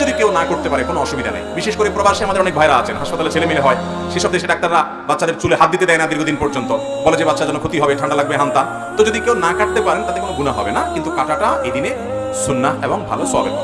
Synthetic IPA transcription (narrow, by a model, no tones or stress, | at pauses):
od̪ikewnakoɾt̪epaɾekonoɔʃubid̪ʱa̰na̰jbiʃeʃkoɾepɾobaɾʃiamad̪eɾɔnek̚bʱaeɾaat͡ɕʰenɦaʃpat̪aleɾt͡ɕʰelemileɦɔe | ʃeʃɔb̚d̪eʃeɖak̚t̪aɾːa | batːʃad̪eɾt͡ɕuleɦat̪̚d̪it̪ed̪ɛenad̪iɾɡʱod̪inpɔɾd͡ʑont̪o | bɔled͡ʑebat̪ːʃad͡ʑɛnokʰot̪iɦɔbeʈʰaɳɖalaɡ̚beɦant̪a | t̪od͡ʑod̪ikewnakʰaʈ̚t̪epaɾent̪at̪ekonoɡunaɦɔ̰benakint̪ukaʈaʈaed̪ine | sunːaeboŋbʱa̰losɔ̰bḛ